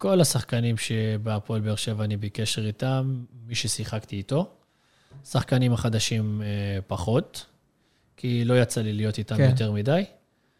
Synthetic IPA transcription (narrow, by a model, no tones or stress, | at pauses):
ko̞lasaχkanimʃebeapo̞lbeeʃe̞vanibeke̞ʃe̞ʁitamːiʃesiχakt̪iːt̪o̞ | saχkanimaχad̪aʃimpaχo̞t̪ | kʰilo̞jat͡salilijo̞t̪itamjot̪̬e̞ʁmidaj